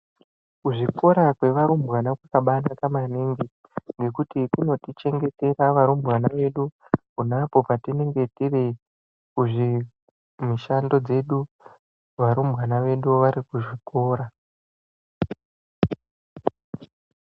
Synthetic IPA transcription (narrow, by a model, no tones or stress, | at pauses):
kuʐiko̞ɾakwe̞ʋaɾumbwanakwakaɓanakamaniːŋɡi | ŋɡe̞kutikuno̞tit͡ʃe̞ŋɡe̞te̞ɾaʋaɾumbɣanaʋe̞ɗu | kunapo̞patine̞ŋɡe̞tire | kuʐi | miʃando̞d͡ze̞ɗu | ʋaɾumbɣanaʋe̞ɗuʋaɾikuʐikʰo̞ːɾa